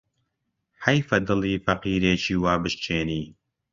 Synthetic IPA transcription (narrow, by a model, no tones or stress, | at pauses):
ħɐjfɐd̪ɨlˠiːfɐqiːɾeːt͡ʃiːwaːbɨʃt͡ʃʰeːniː